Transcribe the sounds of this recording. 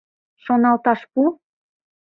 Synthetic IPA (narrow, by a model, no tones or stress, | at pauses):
ʃonɑlt̪ɑʃpu